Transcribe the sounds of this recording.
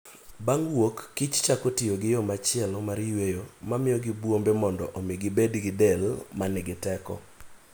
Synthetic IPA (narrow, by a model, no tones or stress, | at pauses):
baŋwokːɪt͡ʃt͡ʃakotɪjoɡɪjɔmat͡ʃɪɛlmaɾjwejomamɪjɔɡɪbwombemɔndɔʔomɪɡɪbedɡɪdɛlmanɛɡɪtɛkɔ̰